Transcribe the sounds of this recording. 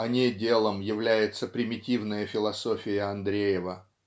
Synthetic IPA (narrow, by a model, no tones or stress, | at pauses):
ɐnʲedʲe̞lˠəmjɪvlʲæjɪt̪səpɾʲɪmʲɪtʲivnəjəfʲɪlˠɐso̞fʲɪjəɐnd̪ɾʲejɪvə